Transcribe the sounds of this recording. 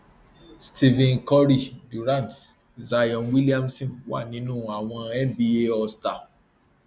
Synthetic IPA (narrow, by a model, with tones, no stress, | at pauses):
sti˦vɛ̃˨nkɔ˦ɾi˦˨du˨ɾã˦˨nt | za˧jɔ̃˨nwi˦li˦a˦msĩ˦˨wa̰˦˨nĩ˨˦nũ˦a˨w̃ɔ̃˧ɛ˦nbi˦e˦ɔ˧sta˨